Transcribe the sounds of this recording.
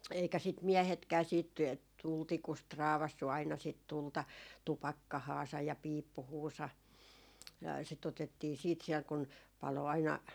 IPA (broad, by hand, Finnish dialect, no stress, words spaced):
eikæ sit miɛhetkæː siːt tultikust rɑːʋɑsːu ɑinɑ sit tultɑ tupɑkːɑhɑːsɑj jɑ piːpːuhuːsɑ sit otetːiː siːt siɛl kun pɑlo ɑinɑ